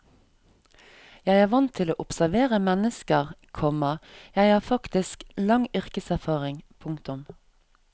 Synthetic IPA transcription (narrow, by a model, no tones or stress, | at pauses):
jæɪæːʋɑnt̪ʰɪlo̰ːʔʊpsæʋeːʁəmɛnəskəʁkʰɔməjæɪhɑːfɑkt̪ɪsklɑŋʏʁkəsæʁfɑːʁɪŋpʰʊŋt̪ʊm